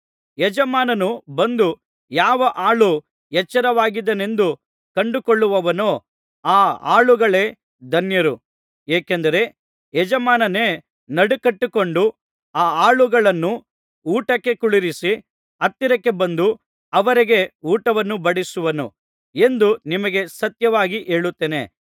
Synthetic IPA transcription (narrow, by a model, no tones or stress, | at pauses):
jɛd͡ʒɐmaːnɐnubɐnd̪u | jaːʋɐʔaːɭu | jɛt͡ʃːɐɾɐʋaːɡid̪ɐne̞nd̪u | kɐɳɖukoɭːuʋɐʋɐnoː | aːa̰ːɭuɡɐɭe̞ː | d̪ɐnjɐɾu | eːkend̪ɐɾe̞ | ɛd͡ʒɐmaːnɐneː | nɐɽukɐʈːukoɳɖu | aːaːɭuɡɐɭɐnːu | uːʈɐkːe̞kuɭiɾisi | ɐt̪ːiɾɐkːe̞bɐnd̪u | ɐʋɐɾiɡe̞uːʈɐʋɐnːubɐɽisuʋɐnṵ | e̞nd̪unimɐɡe̞sɐt̪jɐʋaːɡiʔe̞ːɭut̪ːeːne̞̰